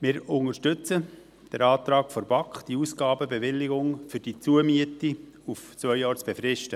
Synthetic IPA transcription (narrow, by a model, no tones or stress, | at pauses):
mɪɾʊŋəɾʃtʏt͡sə | d̥ɛɾɑːt̪ɾɑːkfɔɾb̥ɑkχd̥iusɡ̥ɑːbəbeʋɪlːɪɡʊŋfʏɾd̥it͡suəmiəti | uft͡svœʏjɑːɾt͡sb̥efɾɪʃtə